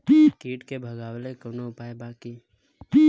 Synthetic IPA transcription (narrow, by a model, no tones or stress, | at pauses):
kiːʈkebʱəɡaːwlekonoʊpaːjbaːki